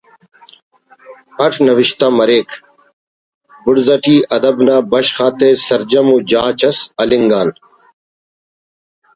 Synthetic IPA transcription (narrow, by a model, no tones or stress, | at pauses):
ɐʈʰnɐʋɪʃt̪aːmɐɾeːkʰ | bʊɽzɐʈʰiːʔɐd̪əbnaːbɐʃxaːt̪eːsɐɾd͡ʒɐmuːd͡ʒaːt͡ʃʰɐsɐlɪŋɡaːn